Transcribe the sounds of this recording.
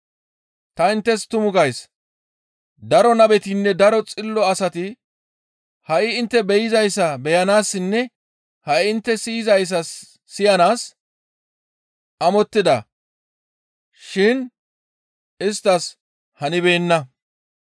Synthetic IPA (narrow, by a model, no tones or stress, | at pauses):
t̪ɐɪnt̪ːɛst̪ʊmʊɡɐjs | d̪ɐɾɔnɐbɛt̪iːnːɛd̪ɐɾɔt͡sʼɪlːɔɐsɐt̪ɪ | hɐʔɪɪnt̪ːɛbɛjɪzɐjsːɐbɛjɐnaːsːɪnːɛ | hɐʔɪɪnt̪ːɛsiːzɐjs̬ːɐ | sɪjɐnaːs | ʔɐmɔt̪ːɪd̪ɐ | ʃɪn | ɪst̪ːɐs | hɐnɪbe̞ːnːɐ